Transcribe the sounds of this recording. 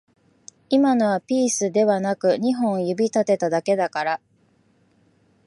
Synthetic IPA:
imanoβapʲiːsɨd̪e̞βanakɯ̟ɲ̟iɦõ̞ɰ̃jɯbʲit̪at̪e̞t̪ad̪ake̞d̪akaɾa

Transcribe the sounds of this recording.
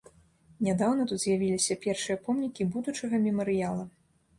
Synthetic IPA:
nʲad̪awnɐt̪ut̪zʲjavʲilʲisʲɐpʲɛrʂɨjɐpɔmnʲikʲibud̪ut͡ʂɐɣɐmʲɛmɐɾɨjalˠɐ

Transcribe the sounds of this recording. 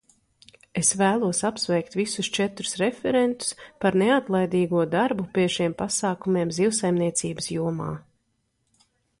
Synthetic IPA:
esvæːlˠuɔsapsvɛjkt̪visust͡ʃɛt̪ɾu̥sɾefɛɾent̪u̥spaɾneat̪lˠajd̪iːɡuɔd̪aɾbupʲiɛʃiɛmpasaːkumiɛːmziwsajmniɛt̪siːbsjuɔma̰ː

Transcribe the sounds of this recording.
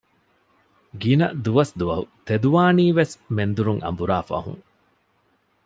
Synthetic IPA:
ɡinɐd̪uʋɐsd̪uʋɐɦut̪ed̪uʋaːniːʋesmend̪uɾuŋʔɐ̰mbuɾaːfɐ̰ɦṵŋ

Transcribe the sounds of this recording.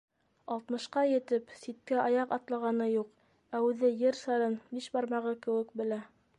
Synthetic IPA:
ɑlˠt̪mɤ̆ʃqɑjɘ̆t̪ɘpsit̪̚kæʔɑjɑqɑt̪lˠɑʁɑnɤjuq | æʉðɘjɘɾsɑɾɤnbiʃbɑɾmɑʁɤkɘ̆wɘ̆kbɘ̆læ

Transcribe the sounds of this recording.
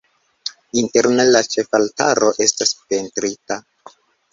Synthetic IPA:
inteɾnelat͡ʃe̞falta̰ɾo̞ʔe̞staspe̞ntɾita

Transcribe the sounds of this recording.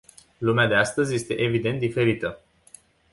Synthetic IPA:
lumead̪e̞ast̪əzʲje̞st̪e̞ʔevid̪e̞nt̪d̪ife̞ɾit̪ə

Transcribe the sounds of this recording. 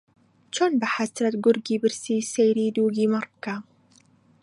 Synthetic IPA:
t͡ʃonbaħasɾat̪ɡʊɾɡibɪɾsiːsejɾiːd̪uːɡimɑɾˤbka

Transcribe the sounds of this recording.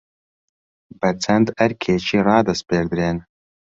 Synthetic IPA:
bɐt͡sʰɐnd̪ɐɾkʰeːt͡ʃʰiːrɑːd̪ɐspeːɾd̪ɾeːn

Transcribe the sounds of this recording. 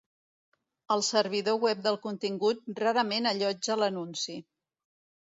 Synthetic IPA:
əlˠsəɾβ̞iðowɛp̚d̪əlˠkunt̪iŋɡut̪̚raɾəmenəʎɔd͡ʒələnunsi

